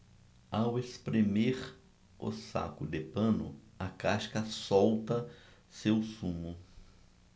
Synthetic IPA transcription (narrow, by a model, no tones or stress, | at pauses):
awespɾemeɾ | o̰sa̰kʊd̪epɐ̃nʊ̰akaʃkɐsowt̪ɐ | sewsũmʊ